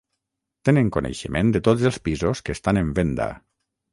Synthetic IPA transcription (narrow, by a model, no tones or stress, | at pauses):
t̪eneŋkonʔḛʃəmend̪et̪od͡zelˠspizoskest̪aneɱbend̪a̰